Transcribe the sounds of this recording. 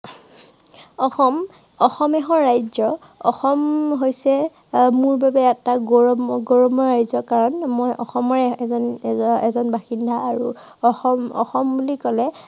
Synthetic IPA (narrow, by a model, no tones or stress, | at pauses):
ɔxɔm | ɔxɔmɛɦɔɹːajzɔ | ɔ̰xɔmɦojsɛ | mʊɹbabɛːtaɡɔɡɔɹɔmɔɹajzɔkaɹɔnmojʔɔxɔmɔɹɛzɔnɛzɔnbaxindʱaaɹu | ɔxɔmɔ̰xɔmbulikɔlɛ